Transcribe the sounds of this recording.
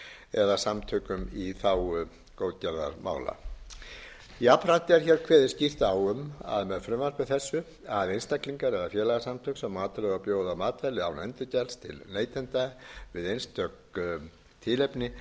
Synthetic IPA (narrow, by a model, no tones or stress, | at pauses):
ɛðasamt̪ʰœkʏmiθawʏ | kowðcɛɾða̰ɾma̰ːwla̰ | iapɾat̪ɪɛɾ̥çɛɾkʰvɛːðɪ̥scir̥t̪awʏma̰ðmɛðfɾʏmvaɾ̥pɪðθɛsːʏ | aðejnst̪akliŋkaɾɛðafjɛːlɛɣasamt̪ʰœksɛmːaːt̪alɛɣapjoːwðamaːt̪vɛlɪawnɛnt̪ʏcɛlst̪ʰɪ̰lneːjt̪ʰɛnt̪avɪðejnst̪ʰœk | t̪ʰɪːlɛpnɪ